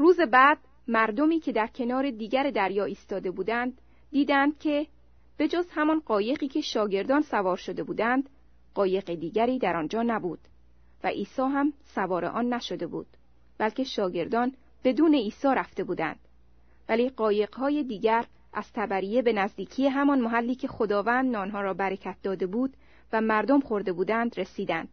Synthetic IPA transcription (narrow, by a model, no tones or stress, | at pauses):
ruːze̞bæːd̪̥̚ | mæɾd̪o̞miːcʰe̞d̪æɾcʰe̞nɒːɾe̞d̪iːɡæɾed̪æɾjɒːiːst̪ɒːd̪e̞buːd̪ænd̪ː | iːd̪ænd̪̥̚cʲʰe̞ | b̥e̞d͡ʒozhæmɒnɢɒːje̞ɢiːcʰe̞ʃɒːɟe̞ɾd̪ɒːnsævɒːɾʃo̞d̪e̞buːd̪ænd̪ | ɢɒːje̞qed̪iːɟæɾiːd̪æɾɒnd͡ʒɒːnæbuːd̪̥ | væ̰ʔiːsɒːɦæmsævɒːɾeʔɒːnːæʃo̞d̪e̞bṵːd̪̥̚ | bælcʲe̞ʃɒːɟe̞ɾd̪ɒːn | b̥e̞d̪uːne̞iːsɒːɾæft̪e̞buːd̪æ̰nd̪̥ | væliːɢɒːje̞ɢhɒːje̞d̪iːɟæɾ | ʔæz̥t̪ʰæbæɾije̞be̞næzd̪iːcʰiːje̞ɦæmɒnmoɦælːiːcʰe̞xod̪ɒːvæːnd̪ɒːnɦɒːɾɒːbæɾecʰæt̪̚ʰd̪ɒːd̪e̞buːd̪̥ | væmæɾd̪o̞mχo̞ɾd̪e̞buːd̪ænd̪re̞siːd̪ænd̪̥̚